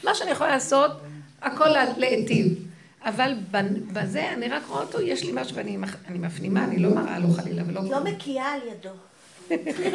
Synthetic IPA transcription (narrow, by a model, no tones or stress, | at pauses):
maʃeanijeχolalaːso̞t | ako̞lːleetiv | avalbabaze̞aniʁakʁoaotojeʃlimaʃveanimaanimafnimaːnilo̞maʁa̰loχalilavelolomekʰiaːljado